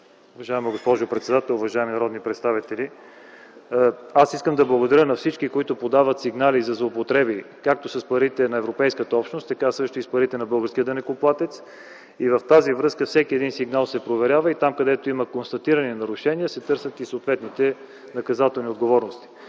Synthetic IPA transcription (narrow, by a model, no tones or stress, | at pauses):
ʊvɐʒaɛməɡospɔʒʊpɾɛt̪sɛd̪at̪ɛlˠʊvɐʒaɛmnɐɾɔd̪nipɾɛt̪st̪avit̪ɛli | asiskəmd̪ɐblˠəɡod̪ɐɾʲənɐfsit͡ʃkikoit̪ʊpod̪avət̪siɡnalizɐzlˠoːpot̪ɾɛbikak̚t̪osəspɐɾit̪ɛnɐɛvɾopɛjskət̪əɔpʃnost̪ːɐkasɤʃt̪oispɐɾit̪ɛnɐbɤlˠɡəɾskʲiəd̪ɛnɛkoplˠat̪ɛt̪s | ivəft̪azivɾɤskəfsɛkʲiɛd̪insiɡnalˠsɛpɾovɛɾʲjavəit̪amkɐd̪ɛt̪oiməkonst̪ɐt̪iɾəninɐɾʊʃɛniəsɛt̪ɤɾsət̪isoːt̪vɛt̪nit̪ɛ | nɐkɐzat̪ɛlˠniod̪ɡovɔɾnost̪i̥